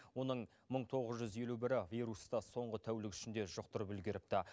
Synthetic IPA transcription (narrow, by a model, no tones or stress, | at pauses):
wo̞nəɴ | məɴt̪ʰo̞ʁəzʒʏze̞lubɪɾɪvʲiɾust̪ɑso̞ɴʁət̪ʰæwlɪkʏ̥ʃɪnd̪e̞ʒʊq̚t̪əɾpʏlɡʲɪɾɪp̚t̪ɑ